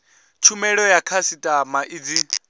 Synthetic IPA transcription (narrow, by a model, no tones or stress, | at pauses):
t͡ʃʰumɛɺɔjakʰasitʼamaʔid͡zi